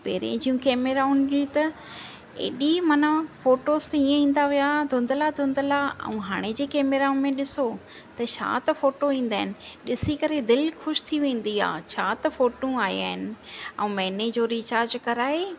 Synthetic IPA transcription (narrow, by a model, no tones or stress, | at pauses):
pḛːɾḛ̃d͡ʑijũkeːmeːɾaʊnĩt̪ɐ | ḛːɗimɐnafoːʈoːzt̪ɐiːẽĩːn̆d̪aʋijad̪ʱʊ̃nd̪əlad̪ʱʊ̃nd̪əlaɐ̰ũɦaːɽ̃ed͡ʑeːkeːmeːɾaʊ̃nmẽɗɪso | t̪ɐt͡ɕʰa̰ːt̪ɐfoːʈoĩːn̆d̪aːɦɪnɪ̆ɗɪsikɐɾed̪ɪlxʊʃt̪ʰiʋẽːn̆d̪ia̰ːt͡ɕʰaːt̪ɐfoːʈũaːḭa̰ːɦɪnɪ̆ɛ̰̃ũmɛːned͡ʑoːɾit͡ɕaːɾd͡ʑkɐɾaːɦeː